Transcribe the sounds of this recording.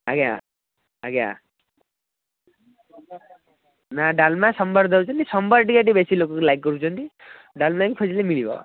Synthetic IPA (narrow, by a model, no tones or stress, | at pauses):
aɡa̰ | aɡã̰ | naɖalmasʌmbʌɾd̪ʱɔwt͡ʃʰɔnt̪isʌmbʌɾʈikaʈ̬ibesilokoklajkːɔɾut͡ʃʰɔnt̪i | ɖalmaŋikʰɔsilemilibɔ̰